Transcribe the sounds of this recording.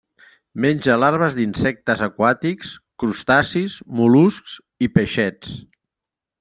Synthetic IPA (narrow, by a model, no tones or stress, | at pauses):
menʲd͡ʒəlaɾβ̞əzd̪insɛk̚t̪əzəkwat̪ikskɾust̪asismulusks | ipeʃɛt͡s